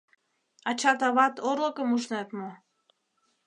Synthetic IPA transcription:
ɑt͡ɕɑt̪ɑβɑt̪oɾlokəmuʃnet̪mo

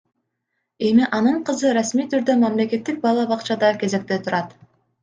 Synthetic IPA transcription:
e̞miʔɑnɯɴqɯzɯɾasmijt̪ʰyɾd̪ømɑmle̞ke̞t̪ːik̚bɑlˠɑbɑqt͡ʃɑd̪ɑke̞ze̞k̚t̪e̞t̪ʰuɾɑt̪

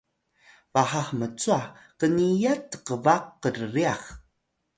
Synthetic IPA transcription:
vaħaxmət͡suakənijatəqəvaqːərəriax

